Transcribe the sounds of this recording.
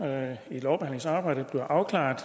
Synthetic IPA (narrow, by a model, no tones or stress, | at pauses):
ilɒʊb̥ehæn̰leŋsɑ̈ːb̥ɑ̈ɪ̰d̥əb̥li̝ɐʔɑ̈ʊkʰlɑ̰̈ːd̥